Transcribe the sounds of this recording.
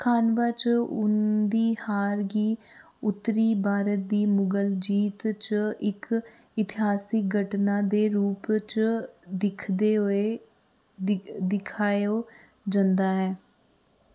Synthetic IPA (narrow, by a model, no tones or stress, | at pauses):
kʰaːnʋaːt͡ʃʊ̰nd̪iːhaːɾɡiː | ʊt̪ːɾiːbaːɾət̪̚d̪iːmʊɡəld͡ʒiːt̪t͡ʃɪk | ɪt̪ɪɦaːsɪk̚ɡəʈnaːd̪eːɾuːpt͡ʃd̪ɪkʰd̪eːɦeː | d̪ɪkʰaːjoː | d͡ʒənd̪aːɦɛː